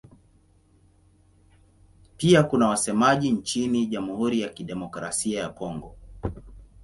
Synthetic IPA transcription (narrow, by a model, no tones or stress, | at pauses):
piakunawasɛmaʄint͡ʃiniʄamuhuɾijakiɗɛmɔkɾa̰siajakɔŋɡɔ